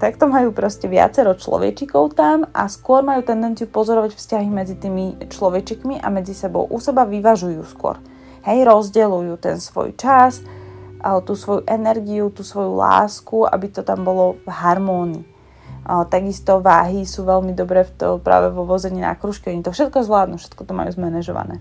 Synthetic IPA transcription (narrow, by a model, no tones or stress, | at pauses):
t̪akt̪ɔmajuːpɾɔscɛʋɪa̰t͡sɛɾɔt͡ʃlɔ̰ʋɛ̰t͡ʃikɔʊt̪ama̰skʊɔɾmajuːt̪ɛnd̪ɛnt͡siupɔzɔɾɔʋacfscaɦimɛd͡zit̪iːmit͡ʃlɔʋɛt͡ʃikmiʔa̰mɛd͡zisɛbɔ̰ʊʔusɛbaʋiʋaʒujuːskʊɔ̰ɾ | hɛjɾɔzɟɛlujut̪ɛ̰nsʋɔ̰jt͡ʃas | t̪uːsʋɔjuʔɛnɛɾɡiut̪uːsʋɔjula̰ːskuʔa̰bit̪ɔt̪ambɔlɔvɦaɾmɔːniː | t̪aɡist̪ɔʋa̰ːɦisuːʋɛlmid̪ɔbɾɛːft̪ɔpɾa̰ːʋɛʋɔʋɔzɛɲiːna̰kɾuʃkiɔɲit̪ɔfʃɛt̪̚kɔɛzʋlaːd̪nufʃɛ̥t̪̚kɔt̪ɔma̰jṵzmɛnɛʒɔ̰ʋa̰nɛ̰ː